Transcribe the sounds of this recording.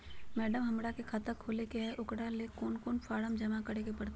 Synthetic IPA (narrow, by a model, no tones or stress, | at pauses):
mɛːɖəmɦɐmɽakekʰaːt̪əkʰoːlekeɛʔʊkɽalekoːnkoːnfaːɽəmd͡ʒɐmakɐɽekepɐɽt̪